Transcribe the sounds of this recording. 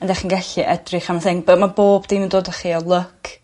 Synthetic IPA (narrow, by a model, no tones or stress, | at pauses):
əndɛχinɡɛɬiʔɛdrɪχamaθɪnbəmaboːbd̥inəndoːdəχiɔlˠʊkʰ